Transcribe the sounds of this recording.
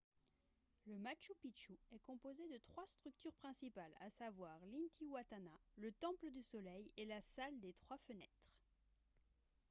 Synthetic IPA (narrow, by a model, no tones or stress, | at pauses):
ləmaʃupit͡ʃuɛkɔ̃pozed̪ət̪χwast̪χyk̚t̪yʁpχɛ̃sipala̰savwaʁlint̪iwat̪analət̪ɑ̃pləd̪ysɔlɛjelasald̪et̪χwafənɛt̪χ